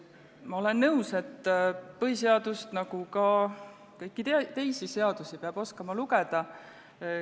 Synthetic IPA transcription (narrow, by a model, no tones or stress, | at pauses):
mɑo̞le̞nːɤuwse̞t̪ːpɤɦis̬e̞ɑd̪̥ust̪nɑɡ̥ukɑ | kɤjkːˑit̪t̪e̞jsise̞ɑd̪̥usipeɑb̥o̞skɑmɑluɡ̥ed̪̥ɑ